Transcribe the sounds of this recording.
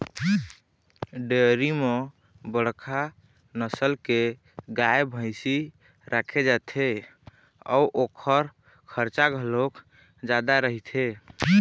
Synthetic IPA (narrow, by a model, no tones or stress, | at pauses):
ɖeɾime | bəɽ̤kʰa | nəsəlke | ɡaebʱə̃ɪsi | ɾʔakʰed͡ʒat̪ʰe | ɔ̰uʔokʰəɾ | kʰəɾt͡ʃaɡʱəlok | d͡ʒad̪aɾəɦit̪ʰe